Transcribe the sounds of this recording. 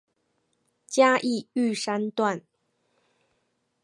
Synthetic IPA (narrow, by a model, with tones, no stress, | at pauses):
t͡ɕja˥ʔi˥˧y˥˩ʂa˥nt̪wa˥˨n